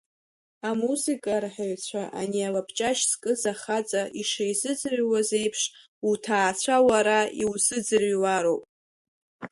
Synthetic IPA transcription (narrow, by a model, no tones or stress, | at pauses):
amuzikʼarħaɥt͡sʷʰaʔa̰nialapʰt͡ʃʼaʃskʼɨzaχat͡sʼaʔiʂejzɨd͡zɨrɥwaze̞jpʰʂ | utʰaːt͡ɕʷʰawaɾaiwzɨd͡zɨrɥwaɾo̞wpʼ